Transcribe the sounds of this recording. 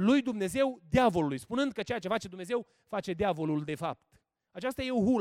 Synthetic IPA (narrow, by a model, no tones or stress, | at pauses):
lujd̪umne̞ze̞wd̪eavo̞lulujspunɨnd̪̚kət͡ʃe̞jat͡ʃe̞fat͡ʃe̞d̪umneze̞w | fat͡ʃe̞d̪eavo̞luld̪e̞fa̰p̚t̪ | at͡ʃast̪aje̞oɦul